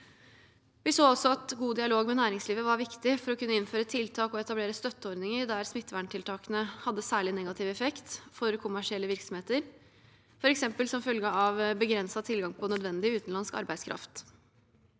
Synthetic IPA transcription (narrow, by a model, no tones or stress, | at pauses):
ʋɪsoːɔlsɔɑt̪ɡuːd̪ɪɑloːɡmɛnæːɾɪŋsliːʋəʋɑɾʋɪkt̪ɪfɔɾɔkʰʉnːəɪnføːɾət̪ʰɪlt̪ʰɑːkɔɛt̪ɑbleːɾəst̪œt̪ːəɔɾd̪nɪŋəɾd̪æɾsmɪt̪ːʋæɳʈʰɪlt̪ʰɑːkənəhɑd̪ːəsæːɭɪnɛɡɑt̪ʰɪʋɛfɛkt̪fɔɾkʰʊmæʂɪɛlːəʋɪɾksɔm̩heːt̪əɾ | fɔɾɛksɛmpəlsɔmfœlɡəɑʋbəɡɾɛnsɑt̪ʰɪlɡɑŋpʰɔnœd̪ʋɛnd̪ɪʉːt̪n̩lɑnskɑ̰ɾbæɪd̪skʰɾʔɑ̰ft̪